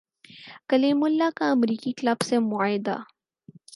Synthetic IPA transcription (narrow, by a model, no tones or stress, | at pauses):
kɐlimʊlːakaɐmɾiːkiklabsemʊaːjɪd̪a̰